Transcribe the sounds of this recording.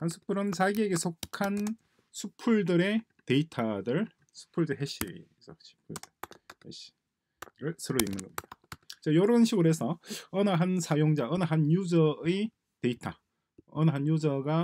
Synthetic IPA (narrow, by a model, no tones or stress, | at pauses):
hansʰu̥pʰuɾɯnt͡ɕaɡieɡe̞sʰokʰan | sʰupʰuɭdɯɾe̞ | te̞itʰadɯɭ | sʰu̥pʰuɭdɯɦeɕ͈ḭ | sʰʌɕʰi̥pʰuɭdɯhḛɕ͈i̥ | ɾɯɭsʰɯɾoimnɯnɡʌmɲid̥at͡ɕʌjʌɾʌnɕʰiɡɯɾɦesʰʌʌnaɦansʰajoŋd͡ʑaʌnaɦanjud͡ʑʌe | te̞itʰa | ʌnaɦanjud͡ʑʌɡa